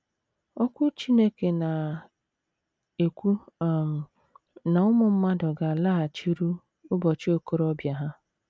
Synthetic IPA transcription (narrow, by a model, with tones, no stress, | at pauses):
ɔ˦kʷʊ˦t͡ʃi˦ne˦ke˨na˨ | e˨kʷu˦˨ | na˨ʊ˦mʊ˨m̩˦ma˦dʊ˨ɡa˨a˨la˦a˨t͡ʃi˦ɾu˦ | ʊ˦bɔ˨t͡ʃi˦o˦ko˦ɾɔ˦bja˨ɦa˦